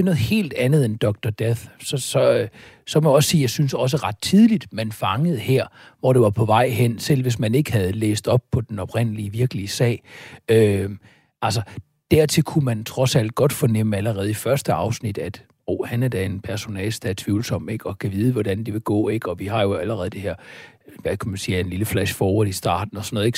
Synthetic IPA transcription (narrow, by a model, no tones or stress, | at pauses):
nɔ̽ːð̩ˠhe̝̰ːld̥ænð̞̩ˠend̥ɒ̽ɡ̥̚d̥ɒd̥eθsɒsɒ̽sɒ̽mɒjɒ̽ssiːjɑ̈ɪsynsɒ̽s̬əʁɑ̈d̥̚t͡sʰiðˠlid̥mænfɑ̈ŋəð̞̩ˠheɐ̰ʋɒd̥e̝ʋɑ̈pʰɒ̽ʋɑ̈ɪ̰ɦen̰sel̰ʋe̝s̬mæne̝ɡ̥hæð̞̩ˠlḛːsd̥ɒ̽b̥̚pʰɒ̽d̥enɒ̽b̥ʁen̰əliəʋiɐɡ̥əliəsɛ̰ːɪø | ælsɒ | d̥æɐ̰t͡sʰe̝lkʰumænt͡sʰʁɒ̽sæl̰d̥̚ɡ̥ɒ̽d̥fɒnem̰əæləʁɛːð̞̩ˠifɶɐsd̥əɑ̈ʊsnid̥æd̥ | oːhænæɐd̥æe̝npʰæɐso̝nɛ̰ːlsd̥æt͡sʰʋiːʊlsɒ̽m̰b̥e̝ɡ̥ɒ̽kʰæʋiːð̞ˠəʋɒd̥ænd̥iʋe̝ɡ̥ɔ̰̽ːe̝ɡ̥ɒ̽ʋihɑ̈jo̝æləʁɛːð̞̩ˠd̥eheɐ̰ʋækʰæmænsiːæɐe̝nliləflæɕfɒːoisd̥ɑ̰̈ːd̥n̩ɒsɒno̽ð̩ˠeɡ̥